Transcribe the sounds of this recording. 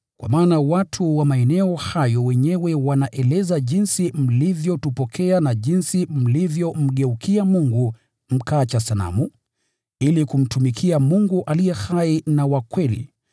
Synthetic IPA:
kwa̰maːnawatʰuwamaɛnɛɔhajɔwɛɲɛwɛwanaʔɛlɛzaʄinsim̩livjɔtupɔkʰɛanaʄinsim̩livjɔm̩ɠɛukʰiamuŋɡu | m̩kaːt͡ʃasala̰mu | ilikum̩tumikʰiamuŋɡuʔalijɛhainawakwɛlḭ

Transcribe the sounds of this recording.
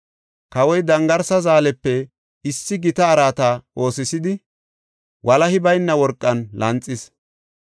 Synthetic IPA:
kɐwɔjd̪ɐŋɡɐɾsɐzaːlɛpːɛ | ɪsːɪɡɪt̪ɐːɾaːt̪ao̞ːsɪsɪd̪ɪ | wʔɐlɐhɪbɐjnːɐwɔɾkʼːɐnlɐnt͡sʼːɪs

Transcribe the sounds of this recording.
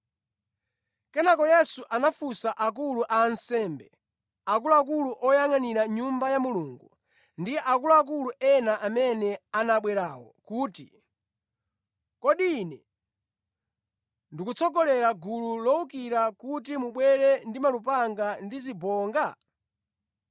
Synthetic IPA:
kɛnakɔjɛsuʔanafusaʔak̬uluʔaːnsɛmbɛ | ak̬uluak̬uluʔɔjaŋaniɾaɲumbajamuluːŋɡu | ndiʔak̬uluak̬uluʔɛnaʔamɛnɛanaɓwɛɾaːwɔ̰kuːtḭ | kɔɗiːnɛ | ndikut͡sʰɔɡɔlɛɾaɡululɔuk̬iɾakutimuɓwɛɾɛndimalupaŋɡandizibɔːŋɡa

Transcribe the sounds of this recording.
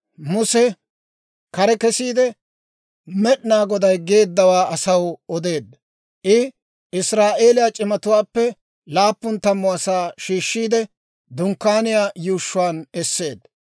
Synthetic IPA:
mʊsɛ | kɐɾɛkɛsiːd̪ɛ | mɛɗnaːɡɔd̪ɐjɡe̞ːd̪ːɐwaːʔɐsɐwɔd̪e̞ːd̪ | ʔɪ | ɪsɾaːʔe̞ːlɪjaːt͡ʃʼɪmɐt̪ʊwaːpːɛ | laːpːʊnt̪ɐmːʊɐsaːʃiːʃːiːd̪ɛ | d̪ʊŋkːaːnɪjaːjuːʃːʊwaːnɛsːe̞ːd̪

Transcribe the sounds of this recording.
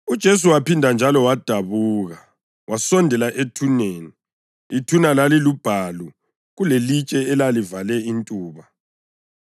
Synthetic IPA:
ud̥ʒ̥ʱes̬uwapindʱand͡ʒʱalɔwad̥ʱaβuːɣa | wasɔndʱɛlaʔetʰuneːni | itʰunalalilub̥ʱaːlu | ɣulelit͡ʃʼɛɛlalivalɛintʼuːβa

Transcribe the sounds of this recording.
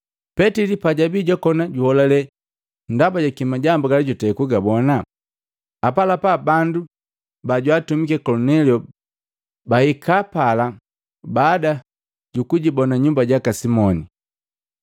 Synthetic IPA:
pɛtilipaɟabiɟɔkɔnaɟuhɔlalɛ | ndabaɟakimaɟambuɡaliɟɔtɛkuɡabɔna | apalapabandu | baɟwatumikɛkɔlunɛliɔ | bahikapala | baːda | ɟukuɟibɔnaɲumbaɟakasimɔni

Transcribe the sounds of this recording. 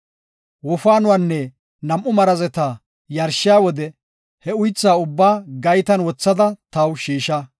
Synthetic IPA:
wɔfaːnʊwaːnːɛ | nɐmʔʊmɐɾɐzɛt̪aː | jɐɾʃɪjaːwɔd̪ɛ | hɛʊjt͡sːaːʊbːaːɡɐjt̪ɐnwɔt͡sːɐd̪ɐt̪ɐwʃiːʃɐ

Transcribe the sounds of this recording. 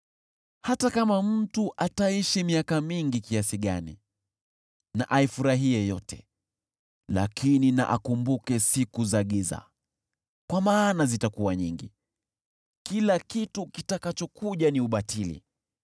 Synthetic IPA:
hatakamam̩tuʔataiʃimiakamiŋɡikiasiɠanḭ | na̰ʔaifuɾaɦiɛjɔtɛ | la̰kʰinina̰ʔa̰kumbukɛsikuzaɠiza̰ | kwamaːnazitakuwaɲiŋɡḭ | kilakitukitakat͡ʃɔkuʄaniuɓatilḭ

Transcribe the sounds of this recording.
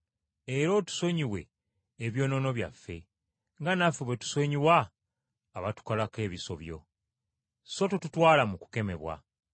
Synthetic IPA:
eɾo̞tu̥so̞ɲiwe̞̰ː | βjo̞ːno̞no̞βja̰fːe̞ | ŋɡanafeβwetu̥soɲiwaː | βatu̥kalake̞ːβiso̞̰βjo̞̰ | so̞totutwaːlamuku̥ke̞me̞βwa̰

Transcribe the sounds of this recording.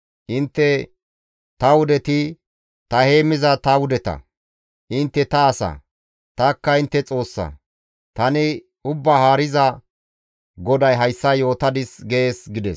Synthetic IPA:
ʔɪnt̪ːɛ | t̪ɐwʊd̪ɛt̪ɪ | t̪ɐhe̞ːmɪzɐt̪ɐwʊd̪ɛt̪ɐ̰ | ʔɪnt̪ːɛt̪ɐːsɐ̰ | t̪ɐkːɐɪnt̪ːɛt͡sʼo̞ːsːɐ̰ | t̪ɐnɪ | ʊbːahaːɾɪzɐ | ɡɔd̪ɐjɦɐjsːɐjo̞ːt̪ɐd̪ɪsɡeeːsɡɪd̪ɛs

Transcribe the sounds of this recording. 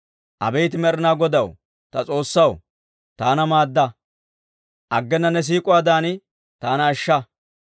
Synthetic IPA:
ʔɐ̰bɛjt̪ɪmɛɾɪnaːɡɔd̪ɐw | t̪ɐt͡sʼo̞ːsːɐw | t̪aːnɐmaːd̪ːɐ | ʔɐɡːɛnːɐnːɛs̬iːkʼʊaːd̪aːnɪ | t̪aːnɐːʃːɐ

